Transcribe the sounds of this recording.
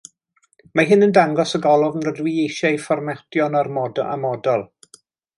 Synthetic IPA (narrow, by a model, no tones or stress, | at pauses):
maɦɪnəndaŋɡɔsəɡɔlˠʊvənrədwiejʃajfɔrmɛtjɔnɔrmɔdɔa̰mɔdɔlˠ